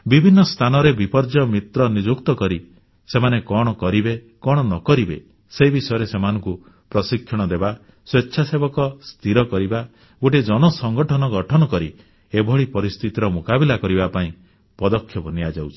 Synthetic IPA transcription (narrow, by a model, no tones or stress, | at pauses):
bibʱinːɔst̪ʰanɔɾebipɔɾd͡ʒɔmit̪ɾɔnid͡ʒukt̪ɔkɔɾi | semanekɔɽ̃ɔkɔɾibe | kɔɽ̃ɔnɔkɔɾibḛ | seibisɔjɔɾesemanɔŋku | pɾɔsikʰjɔɽ̃ɔd̪eba | swetːʃʰasebɔkɔst̪ʰiɾɔkɔɾiba | ɡoʈid͡ʒɔñɔsɔŋɡɔʈʰɔnɔɡɔʈʰɔnɔkɔɾi | ebʱɔɭipɔɾist̪ʰit̪iɾɔmukabilakɔɾibapaĩ | pɔd̪ɔkʰːjɔpɔniad͡ʒawt͡ʃʰi̥